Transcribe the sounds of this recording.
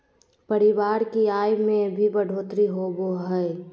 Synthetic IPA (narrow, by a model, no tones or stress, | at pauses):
pəɾɪʋaːɾkiaːjmẽbʱibəɖʱoːt̪ɾiɦoboɦɛe